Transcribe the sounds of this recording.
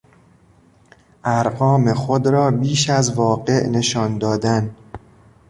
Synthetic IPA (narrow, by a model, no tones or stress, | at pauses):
ʔæɾɢɒːmexod̪ɾɒːbiːʃæzvɒːɢe̞ʔne̞ʃɒːnd̪ɒːd̪æn